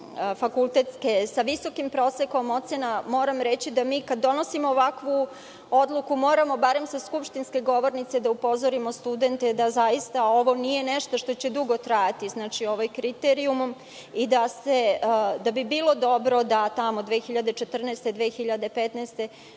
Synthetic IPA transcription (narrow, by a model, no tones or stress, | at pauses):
fakulˠt̪e̞t̪skesaʋiso̞kimpɾo̞ːsekomo̞t̪senamo̞ːɾamɾet͡ɕid̪amiːkad̪ːo̞no̞simoːʋakʋu | o̞d̪lˠukumo̞ːɾamo̞baɾe̞msaskupʃt̪inske̞ɡo̞ʋo̞ɾnit̪sed̪aupo̞zoɾimo̞st̪ud̪e̞nt̪ed̪azajist̪ao̞ʋo̞nije̞neʃt̪o̞ʃt̪o̞t͡ɕed̪uɡo̞t̪ɾajat̪iznaːt͡ʃio̞ʋajkɾit̪eɾiumm | id̪ased̪abibiːlo̞d̪o̞bɾo̞d̪at̪amo̞d̪ʋexiʎad̪et͡ʃe̞t̪r̩nɛːst̪e̞d̪ʋexiʎad̪e̞pet̪naːst̪e̞